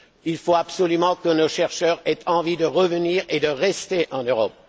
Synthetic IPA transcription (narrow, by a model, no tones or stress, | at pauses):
ilfoabsɔlymɑ̃kənoʃɛʁʃœːʁɛt̪ʰɑ̃vid̪əʁəvəniːʁed̪əʁɛst̪eʔɑ̃nøʁɔp̚